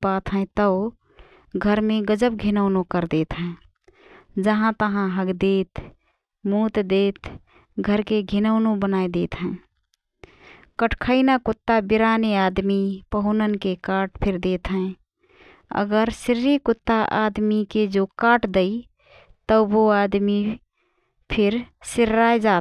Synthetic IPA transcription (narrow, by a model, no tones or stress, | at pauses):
pat̪ɦə̃t̪əʊ | ɡʱəɾmẽɡəd͡ʒəp̚ɡʱɪnəʊnõkəɾd̪eːt̪ɦɛ̃ | d͡ʒəɦãt̪əɦãɦəɡd̪eːt̪ | mut̪d̪eːt̪ | ɡʱəɾkeɡʱinəʊnõbənajd̪eːt̪ɦɛ̃ɪ | kəʈʰkʰəɪnakʊt̪ːabiɾanead̪mipəɦʊnənkekaːʈpʰɪɾd̪eːt̪ɦɛ̃ | ə̰ɡəɾsɪɾːikʊt̪ːaʔad̪miked͡ʒokaːʈd̪əi | t̪əboad̪mi | pʰɪɾsɪɾaed͡ʒaːt̪